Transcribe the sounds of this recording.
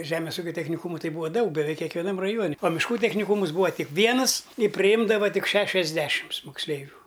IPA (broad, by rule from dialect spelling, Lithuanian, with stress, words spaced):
ˈʒʲæːmʲeːs ˈuːkʲoː tʲɛxʲnʲɪˈkuːmʊ ˈtɐɪ ˈbʊʋoː ˈdɐʊk bʲɛˈʋʲɛɪk kʲɛkʋʲɛˈnɐm rɐˈjuɔnʲɪ oː mʲɪʃˈkuː tʲɛxʲnʲɪˈkuːmʊs ˈbuːʋɐ ˈtʲɪk ˈʋʲiɛnɨs ɪ pʲrʲɪˈjɪmdɐʋɐ ˈtʲɪk ˈʃʲæːʃʲɛzʲˌdʲæːʃʲɪms moːksʲˈlʲɛɪʋʲuː